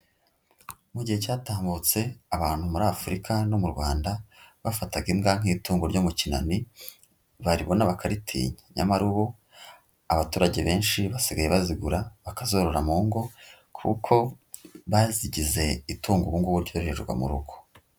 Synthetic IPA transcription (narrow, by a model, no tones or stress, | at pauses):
muɟihecaːtaːmbut͡se̞aβaːn̥humuɾaːfuɾikʰano̞muɾɡwaːndaβafataɡimɡaŋ̥iːtuːŋɡoɾɟo̞mucina̰ni | βaɾiβo̞naβakʰaɾitʰḭːɲeɲa̰maɾuβo | aβatuːɾaɟe̞βe̞ːnʃiβasiɡajeβaziɡuɾaβakazo̞ɾo̞ɾamuːŋɡo̞ | kʰṵkʰo̞βaziɟize̞ituːŋɡoβuŋɡuβuɾɟoːɾeɾeʒɡwa̰mṵɾuɡ̥o̥